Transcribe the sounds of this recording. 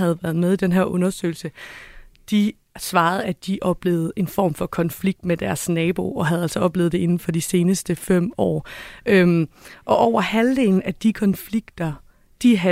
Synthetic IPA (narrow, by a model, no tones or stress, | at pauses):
æð̩ˠʋæɐð̩ˠmeð̞ˠid̥enɦeɐʔɔ̽nɐsø̰ɪl̩sə | d̥i | sʋɑ̈ːð̞̩ˠæd̥iʔɒ̽b̥le̝ːð̞̩ˠe̝nfɒ̰ːm̰fɒ̽kʰɒ̽nfliɡ̥̚d̥med̥æɐsnɛːb̥o̝ʔɒ̽ɦæð̞ˠæl̰sɒɒ̽b̥le̝ːð̩ˠd̥ee̝nn̩fɒ̽d̥ise̝ːnəsd̥əfem̰ɒ̰ːʔøʔɒ̽ʔɒʊ̰ɐhænle̝ŋn̩æd̥ikʰɒ̽nfliɡ̥d̥ɐ | d̥iɦæ